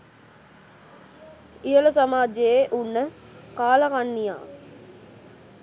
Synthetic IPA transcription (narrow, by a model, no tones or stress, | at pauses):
ijələsamaːd͡ʒejeʔunːə | kaːlakanːija̰ː